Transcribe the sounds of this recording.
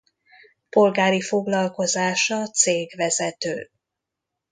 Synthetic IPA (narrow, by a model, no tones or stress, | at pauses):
po̞lɡaːɾifo̞ɡlɒlko̞zaːʃɒt̪seːɡvɛzɛt̪øː